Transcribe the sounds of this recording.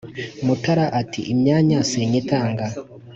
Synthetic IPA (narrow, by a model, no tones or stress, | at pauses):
mutaɾaʔatʰiʔimɲaːɲaseɲitaːŋɡa